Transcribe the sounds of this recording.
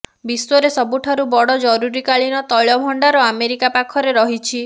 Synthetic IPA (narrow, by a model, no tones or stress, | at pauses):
biswɔɾesɔbuʈʰaɾubɔɽɔd͡ʒɔɾuɾikaɭinɔt̪ɔɭjɔbʱɔɳɖaɾɔameɾikapakʰɔɾeɾɔɦit͡ʃʰi